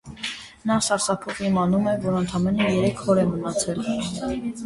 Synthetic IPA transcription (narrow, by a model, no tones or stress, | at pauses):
nɑsɑɾsɑpʰɔʁimɑnumɛvɔɾənt̪ʰɑmɛnəjɛɾɛkʰhɔɾɛmənɑt͡sʰɛl